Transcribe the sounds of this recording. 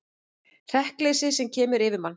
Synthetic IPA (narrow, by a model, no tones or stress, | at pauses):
r̥ɛhklejsɪsɛmcʰɛːmʏɾɪvɪðman